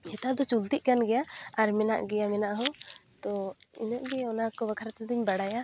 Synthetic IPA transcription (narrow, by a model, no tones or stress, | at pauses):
hɛt̪ad̪ɔt͡ʃult̪iʔ̚kanɡɛjaaɾmɛna̰ʔɡɛjamɛnaʔɦɔt̪ɔinɔʔɡɛɔnakɔbəkʰaɾat̪ɛd̪iɲbaɽaja